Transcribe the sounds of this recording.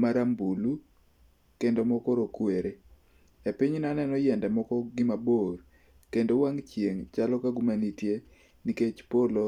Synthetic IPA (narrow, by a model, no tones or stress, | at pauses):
maɾambulu | kendomɔkɔɾokweɾe | epiɲnanɛnɔjɛndɛmɔkɔɡɪmabor | kendowaŋt͡ʃjeŋt͡ʃalɔkaɡumanitje | niket͡ʃpolo